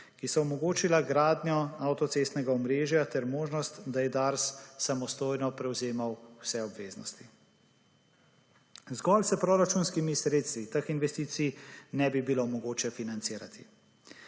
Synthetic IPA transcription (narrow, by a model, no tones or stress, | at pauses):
kisɔɔmɔɡoːt͡ʃilaɡɾaːd̪njɔawt̪ɔt̪sest̪nɛɡaɔmɾeːʒjat̪ɛɾmoːʒnɔst̪d̪ajɛd̪aɾsːamɔst̪oːjnɔpɾɛwzeːmawwsɛɔbʋeːznɔ̰st̪i | zɡɔlsɛpɾɔːɾat͡ʃunskimisɾeːt̪st̪ʋit̪əxinʋɛst̪iːt̪sijnɛbibilomɔɡoːt͡ʃɛfinant̪siːɾat̪ʰi